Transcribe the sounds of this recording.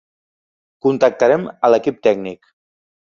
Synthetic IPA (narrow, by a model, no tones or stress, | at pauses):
kunt̪ək̚t̪əɾɛmələkip̚t̪ɛɡnik